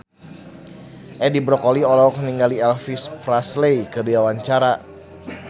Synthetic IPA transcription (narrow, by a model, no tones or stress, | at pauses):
ʔɛdibɾɔkoliɔlɔkniŋɡaliɛlfispɾaslejkədiawaɲt͡ʃaɾa